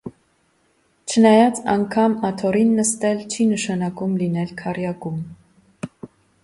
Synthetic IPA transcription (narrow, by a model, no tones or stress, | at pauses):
t͡ʃʰənɑjɑt͡sɑŋkʰɑmɑt̪ʰɔɾinːəst̪ɛlt͡ʃʰinəʃɑnɑkumlinɛlkʰɑrjɑkum